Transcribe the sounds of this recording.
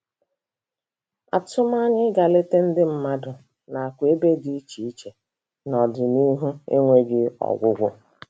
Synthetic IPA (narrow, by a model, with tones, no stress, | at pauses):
a̰˨tʊ˦m˦a˦ɲɪ˦ɡa˨le˦te˦n̩˦dɪ˦m̩˦ma˦dʊ˨ | na˨a˨kʷe˦be˦di˦i˦t͡ʃi˨i˦t͡ʃe˨ | nɔ˨dʊ˨ni˦ɦu˦ḛ˦ŋʷe˦ɡɪ˦ɔ̰˨ɡʷʊ˦ɡʷʊ˦